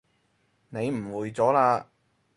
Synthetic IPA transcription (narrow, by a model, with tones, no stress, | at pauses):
ne˨˧jm̩˨˩wuː˨jt͡sɔː˨˥laː˧